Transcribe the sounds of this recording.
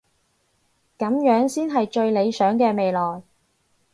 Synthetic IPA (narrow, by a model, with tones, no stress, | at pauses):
kɐ˨˥mjœː˨˥ŋsiː˥nɦɐ˨jt͡ʃɵ˧ɥle˨˧jsœː˨˥ŋkɛː˧me˨jlɔː˨j